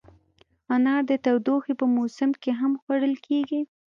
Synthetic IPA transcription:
anɑɾd̪ət̪awd̪oxepəmosɪmkeɦamxwaɽəlkʰeɡi

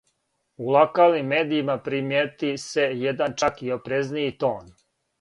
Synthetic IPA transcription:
ulˠokaːlnimːeːd̪iimapɾimjet̪ise̞jed̪ant͡ʃakio̞pɾe̞znijit̪o̞ːn

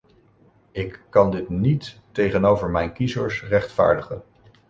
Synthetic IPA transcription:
ɪkːɑndɪtnitː | ejχənowvəɹmɛjnkizəɹsrɛχtfa̰ːɹdəχən

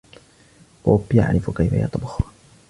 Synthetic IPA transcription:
poːbja̰ʕɾɪfʊkajfa̰ja̰t̪ˤɑbɑxʊ

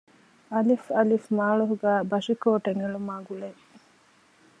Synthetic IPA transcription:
ɐlifɐlifmaːɭuɦuɡæːbɐʂikoːʈeŋeɭumaːɡuɭe

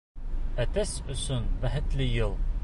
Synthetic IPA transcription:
æt̪æsɵ̆sɵnbæɦɘ̆t̪lɘjɤlˠ

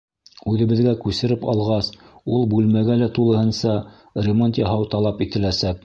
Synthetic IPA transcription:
ʉðɘ̆βɘ̆ðɡækʉsɘ̆ɾɘpɑ̰lˠʁɑs | ulˠbʉlmæɡælæt̪ulˠɤ̆hɤ̆nsɑ | rʲɪmont̪jɑɦɑwt̪ɑlˠɑpit̪ɘ̆læsæk̚

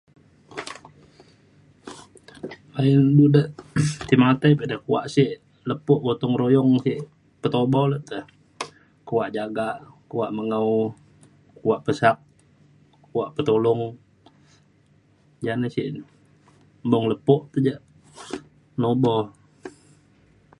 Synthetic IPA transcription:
ainbudəʔt̪imat̪ajpədakua̰ʔsiʔ | ləpɔʔbot̪ɔŋɾojɔŋsɪʔ | pət̪obɔləʔt̪əh | kuwaʔd͡ʒaɡaʔkuwaʔməŋəu | kuwaʔpəsak̚ | kuaʔpət̪olɔŋ | d͡ʒanasɪʔ | bɔŋləpɔʔt̪əd͡ʒaʔ | nobɔ

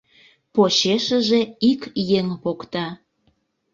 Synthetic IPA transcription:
pot͡ɕeʃəʒeikjeŋβokt̪ɑ

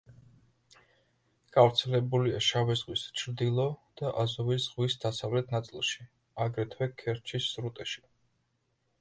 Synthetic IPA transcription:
ɡ̥avɾt̪sʰɛlɛbuliaʃavɛzʁwist͡ʃʰɾd̪ilˠɔd̪̥aʔazɔvisz̥ʁwisd̪asavlɛt̪ʰnat̪sʼilˠʃi | aɡɾɛt̪ʰwɛkʰɛɾt͡ʃʰisːɾut̪ʼɛʃi̥

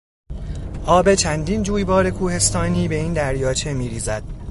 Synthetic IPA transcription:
ʔɒːbe̞t͡ʃʰænd̪iːnd͡ʒuːjbɒːɾe̞kʰuːhe̞st̪ɒːniːbe̞iːnd̪æɾjɒːt͡ʃʰe̞miːɾiːzæd̪̥

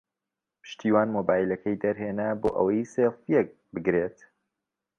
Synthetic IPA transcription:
pʰɨ̥ʃt̪ʰiːwaːnmoːbaːjlɐkʰɐjd̪ɐɾɦeːnaboːʔə̰wɐjseːfjek̚ | bɨɡɾet̪

